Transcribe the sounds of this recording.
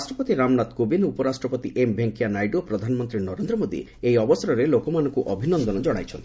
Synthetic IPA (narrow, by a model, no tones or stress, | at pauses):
asʈɾɔpɔt̪iɾamnat̪kobinupɔɾasʈɾɔpɔt̪iʔembʱeŋkijanajɖopɾɔd̪ʱanɔmɔnt̪ɾinɔɾend̪ɾɔmod̪ḭ | ejɔbɔsɔɾɔɾelokɔmanɔŋkuʔɔbʱinɔnd̪ɔnɔd͡ʒɔɽ̃a̰jt͡ʃʰɔnt̪i